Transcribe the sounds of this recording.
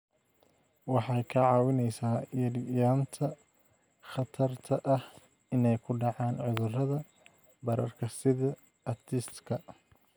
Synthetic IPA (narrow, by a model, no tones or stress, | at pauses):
wɑħɑjkʰɐʕɑːwɪnɛjsaːjɐɾjaːnt̪ʰɐ | χɑt̪ʰɐrt̪ʰɐʔɐh | ɪnɛjkʰʊɖɑʕɑːnʕʊðʊrɐðɐ | bɐɾɐrkʰɐsɪðɐː | t̪ʰɪst̪kʰɐ